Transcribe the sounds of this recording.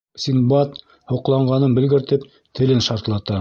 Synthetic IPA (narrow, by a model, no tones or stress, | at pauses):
sʲinbɑt̪ | hŏqlˠɑɴɢɑnɤnbɘ̆lɡɘ̆ɾt̪ɘp̚ | t̪ʰɘ̆lɘnʃɑɾt̪lˠɑt̪ɑ